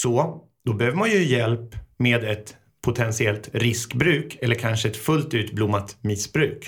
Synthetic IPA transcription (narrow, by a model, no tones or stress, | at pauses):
sɔ | d̪ɔbɛhøːvəmanjɵjɛlpmeːd̪ɛt̪ | pʰʊt̪ʰɛnsɪɛlt̪ɾɪskbɾʉ̟ːkɛlːəɾkʰanʂəɛt̪fɵlt̪ʉ̟ːt̪blʊmːat̪mɪsbɾʉ̟ːk